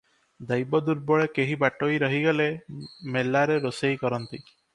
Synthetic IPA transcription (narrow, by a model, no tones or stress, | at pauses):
d̪ajbɔd̪uɾbɔɭekeɦibaʈojɾɔɦiɡalemelːaɾeɾosejkɔɾɔnt̪i